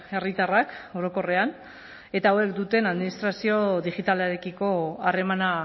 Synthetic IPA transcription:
e̞rit̪arako̞ɾo̞ko̞re̞an | e̞t̪aoe̞kd̪ut̪e̞naðminist̪ɾasio̞ðiɣit̪aleɾekiko̞are̞mana

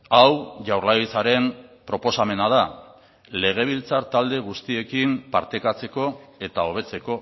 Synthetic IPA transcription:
awʝawɾlajit͡saɾe̞mpɾo̞po̞same̞nað̞a | le̞ɣ̞e̞β̞ilt͡saɾt̪ald̪e̞ɣ̞ust̪ie̞kimpa̰ɾt̪e̞kat͡se̞ko̞e̞t̪ao̞β̞e̞t͡se̞ko̞

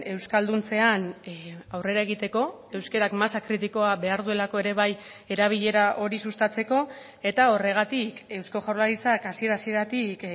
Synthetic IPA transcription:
e̞wskald̪unt͡se̞anawre̞ɾae̞ɣ̞it̪e̞ko̞e̞wske̞ɾakmasakɾit̪iko̞aβe̞aɾðue̞lako̞e̞ɾe̞β̞aj | e̞ɾaβ̞iʎe̞ɾaʔo̞ɾisust̪at͡se̞ko̞ | e̞t̪ao̞re̞ɣ̞at̪ike̞wsko̞ʝawlaɾit͡sakasie̞ɾasie̞t̪at̪ik

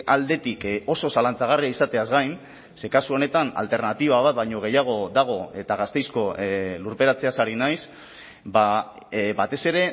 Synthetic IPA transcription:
ald̪e̞t̪iko̞so̞salant͡saɣ̞ariaisat̪e̞azɣajn | se̞kasuo̞ne̞t̪ana̰lt̪e̞ɾnat̪iβ̞aβat̪̚bajɲo̞ɣ̞e̞jaɣ̞o̞ðaɣ̞o̞e̞t̪aɣ̞ast̪e̞jsko̞luɾpe̞ɾat͡se̞asaɾinajs | ba | bat̪e̞se̞ɾe̞

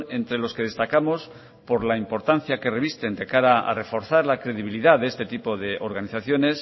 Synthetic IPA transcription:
e̞nt̪ɾelo̞ske̞ð̞e̞st̪akamo̞s | po̞ɾlaimpo̞ɾt̪an̟θjake̞re̞βist̪e̞nd̪e̞kaɾaa̰re̞fo̞ɾθaɾlakɾe̞ð̞iβ̞iliðaðeest̪e̞t̪ipoðe̞ʔoɾɣaniθaθjo̞ne̞s

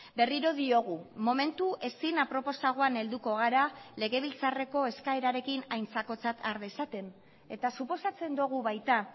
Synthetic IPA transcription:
be̞riɾo̞ðio̞ɣ̞umo̞me̞nt̪uʔe̞sinapɾo̞po̞saɣ̞oane̞ld̪uko̞ɣ̞aɾale̞ɣe̞β̞ilt͡sare̞ko̞e̞skaeɾaɾe̞kinajnt͡sako̞t͡sat̪ʰaɾðesat̪e̞n | e̞t̪asupo̞sat͡se̞nd̪oɣ̞uβajt̪a

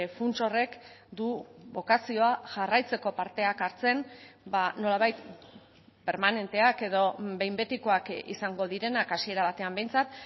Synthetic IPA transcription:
funt͡so̞re̞kd̪uβo̞kasio̞aʝarajt͡se̞ko̞paɾt̪e̞akaɾt͡se̞nbano̞laβajt̪ | pe̞ɾmane̞nt̪e̞ake̞ðo̞be̞jmbe̞t̪iko̞akḭsaŋɡo̞ðiɾe̞nakasie̞ɾaβ̞at̪e̞ambe̞jnt͡sat̪

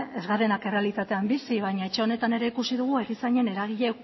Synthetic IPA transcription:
ezɣaɾenake̞re̞alit̪at̪e̞ambisiβ̞ajɲae̞t͡ʃe̞o̞ne̞t̪ane̞ɾe̞ikusiðuɣ̞uerisaɲe̞ne̞ɾaɣ̞iʎe

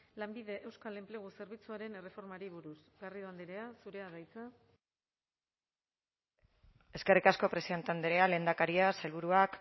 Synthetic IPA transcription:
lambiðe̞ʔe̞wskale̞mple̞ɣ̞use̞ɾβit͡suaɾe̞ne̞re̞fo̞ɾmaɾiβuɾusɣariðuand̪eɾeasuɾe̞aðajt͡sa | e̞ske̞rikasko̞pɾe̞siont̪and̪eɾeale̞nd̪akaɾiasajlβuɾuak

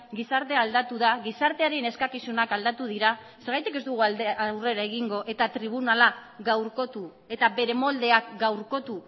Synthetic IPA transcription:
ɡisaɾt̪e̞ald̪at̪uðaɣisaɾt̪e̞aɾe̞ne̞skakisunakald̪at̪uð̞iɾa | se̞ɾɣajt̪ike̞zd̪uɣ̞ualawre̞ɾae̞ɣ̞iŋɡo̞ʔe̞t̪at̪ɾiβ̞unalaɡawɾko̞t̪u | e̞t̪abe̞ɾe̞mo̞ld̪e̞akɡawɾko̞t̪u

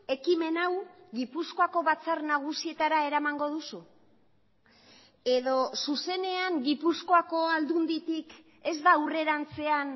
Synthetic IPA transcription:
e̞kime̞nawɣipusko̞ako̞βat͡sarnaɣ̞usie̞t̪aɾae̞ɾamaŋɡo̞ð̞usu | e̞ð̞o̞suse̞ne̞aŋɡipusko̞ako̞ald̪und̪it̪ik | e̞zd̪aure̞ɾant͡se̞an

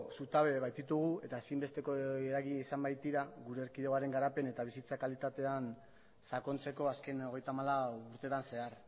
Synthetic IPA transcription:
sut̪aβe̞βajt̪it̪uɣ̞ue̞t̪aesimbe̞st̪e̞koeɾaɣiisambajt̪iɾaɣuɾeːɾkiðeaɾe̞ŋɡaɾape̞ne̞t̪aβ̞isit͡sakalit̪at̪e̞an | sako̞nt͡se̞ko̞aske̞no̞ɣ̞e̞jt̪amalauɾt̪e̞t̪anse̞aɾ

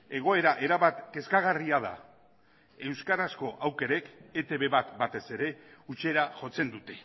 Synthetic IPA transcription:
e̞ɣ̞o̞e̞ɾaʔe̞ɾaβat̪ke̞skaɣ̞ariaða̰ | e̞wskaɾasko̞ʔawke̞ɾe̞ke̞t̪e̞βe̞βat̪bat̪e̞se̞ɾe̞ut͡se̞ɾaʝo̞t͡se̞nd̪ut̪e̞̥

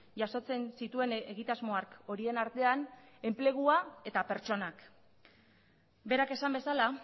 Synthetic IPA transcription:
ʝaso̞t͡se̞nsit̪ue̞neɣit̪azmo̞ako̞ɾie̞naɾt̪e̞an | e̞mple̞ɣ̞uae̞t̪ape̞ɾt͡ʃo̞nak | be̞ɾake̞sambe̞sala

